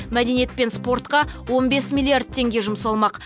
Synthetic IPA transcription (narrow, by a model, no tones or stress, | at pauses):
mæd̪e̞nije̞t̪̚pe̞nspo̞ɾt̪qɑwo̞nbe̞smʲilʲˠːiard̪̚t̪ʰe̞ŋɡʲe̞ʒʊmsɑlˠmɑq